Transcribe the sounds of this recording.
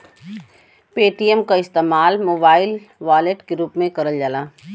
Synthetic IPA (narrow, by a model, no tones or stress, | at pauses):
peːʈijɛmkaɪst̪eːmaːlmoːbaːɪl | ʋaːleʈkeɾuːpmẽkɐɾəld͡ʒalaː